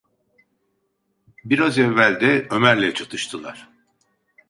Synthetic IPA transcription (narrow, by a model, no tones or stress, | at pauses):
biɾazɛvːælʲd̪ɛø̞mæɾlʲɛt͡ʃʰat̪ʰɯʃt̪ʰɯlˠa̰ɾ̥